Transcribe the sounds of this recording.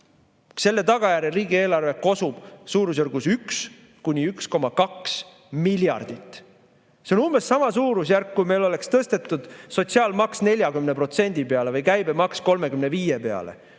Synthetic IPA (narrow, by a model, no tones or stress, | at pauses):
se̞lːe̞t̪ɑɡ̥ɑjæɾeriːɡie̞ːlɑrve̞ko̞sub̥suːɾus̬jurɡ̥usyks | kunʲiyksko̞mɑkɑks | milʲjɑ̰rd̪̥it̪ːˑ | seonumb̥essɑmɑsuːɾus̬jærkːujme̞jlo̞le̞kst̪ɤst̪e̞t̪ːˑud̪̥so̞t̪ʲsiɑːlmɑksne̞lʲjɑkymnepro̞t̪se̞nʲd̪̥ipeɑle̞vɯjkæjbemɑksko̞lme̞kymne̞viːjepe̞ɑ̰le̞̰